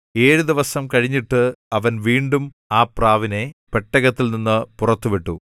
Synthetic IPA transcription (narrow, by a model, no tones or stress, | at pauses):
e̞ːɻud̪iʋɐsɐmkɐɻiɲːiʈːɨɐʋɐnʋiːɳɖum | aːpraːʋine̞peʈːɐɣɐt̪ːilninːɨpurɐt̪ːuʋiʈːu